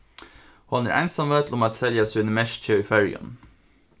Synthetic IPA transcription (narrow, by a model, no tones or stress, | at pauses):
hɑnæɾʔæ̰ɪnsɑmʋeːt̪l̩ʊmɑt̪sɛljɑsʉnəmɛʃc͡çʰəifœɾjə̰n